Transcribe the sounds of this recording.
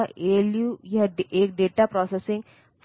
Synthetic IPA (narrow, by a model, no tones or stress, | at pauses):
eljujaɖek̚ɖeʈapɾɔsesĩŋ | fʰ